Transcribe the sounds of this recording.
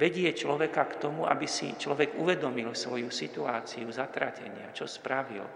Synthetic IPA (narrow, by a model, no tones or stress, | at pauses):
ʋɛɟɪɛt͡ʃlɔʋɛkakt̪ɔmuʔa̰bisḭt͡ʃlɔʋɛɡuʋɛd̪ɔmilsʋɔjusit̪uaːt͡siuzat̪ɾacɛ̰ɲɪa̰t͡ʃɔspɾaʋḭl